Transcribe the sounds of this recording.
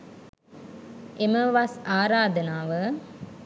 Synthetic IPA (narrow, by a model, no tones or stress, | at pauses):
ʔeməʋasaːɾaːd̪ənaːʋə